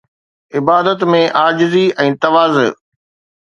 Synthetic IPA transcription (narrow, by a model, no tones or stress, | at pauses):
ɪbaːd̪ət̪mẽʔaːd͡ʑɪziɛ̃ːt̪ɐʋaːz̰